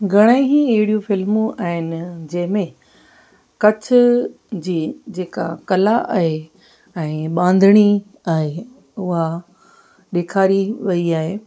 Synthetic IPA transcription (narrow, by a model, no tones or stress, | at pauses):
ɡʱɐɽ̃eɪɦĩɐɦɪɽijũfɪlmũaːɦɪnɪ̆d͡ʑɐ̃ɦɪ̃mẽ | kɐt͡ɕʰʊ | d͡ʑiːd͡ʑeːka̰kɐlaʔa̰ːɦe | ɛ̃ːɓãːnd̪ʱɪɽ̃i | aːɦe | ʊɦa | ɗeːkʰaːɾiʋɐiaːɦeː